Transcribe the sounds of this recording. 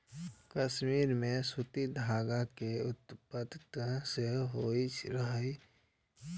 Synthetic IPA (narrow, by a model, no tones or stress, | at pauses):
kəʃmiːɾmẽsʊt̪id̪ʱaːɡakeʊt̪pət̪seɦoːiɾəɦi